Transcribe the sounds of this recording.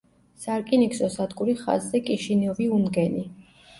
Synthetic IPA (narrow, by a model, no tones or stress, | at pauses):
saɾkʼiniksɔsad̪ɡuɾiχa̰zːɛkʼiʃiniɔviunɡɛni